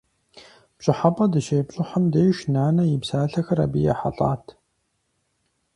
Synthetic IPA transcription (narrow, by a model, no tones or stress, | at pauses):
pɕʼɪħapʼɐdɨʃeːpɕʼɨħɐmdeːʃnaːnɐjɪpsaːɬɐxɐɾa̰bijɐ̰ħa̰ɬʼa̰ːtʰ